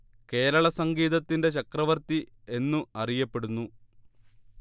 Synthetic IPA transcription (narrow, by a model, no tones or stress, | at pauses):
ke̞ːɾɐɭɐsɐŋɡiːðɐt̪ːinde̞ɕɐkrɐʋɐrt̪i | e̞nːuɐrijɐpːe̞ɽunːu